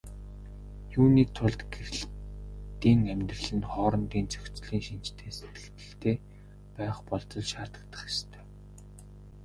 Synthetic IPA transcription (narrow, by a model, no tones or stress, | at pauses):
juːniːt̪ʰʊɮt̪ɡeɾɘ̆ɬt̪iːŋæmʲt̪rə̆ɮɘ̆nχɔːɾɞ̆nt̪iːnt͡sœxʲt͡sɮiːŋʃint͡ɕt̪ʰeːse̥t̪ɡɘ̥̆kt̪ɘ̥̆ɬt̪ʰeː | pæːχpɔɮt͡s̪ɞ̆ɮʃaːt̪ə̆k̚t̪ə̥̆χɪ̥ʃt̪ʰœ̥ː